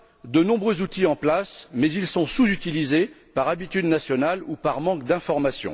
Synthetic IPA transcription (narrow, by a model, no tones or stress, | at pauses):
d̪ənɔ̃bʁøzut̪iɑ̃plasmɛzilsɔ̃suzyt̪ilize | paʁabit̪yd̪nasjɔnalupaʁmɑ̃kd̪ɛ̃fɔʁmasjɔ̰̃